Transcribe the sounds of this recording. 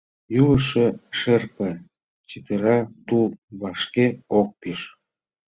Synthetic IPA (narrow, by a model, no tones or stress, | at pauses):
juəʃeʃerpə̆ | t͡ɕit̪əɾɑt̪uβɑʃkeok̚piʃ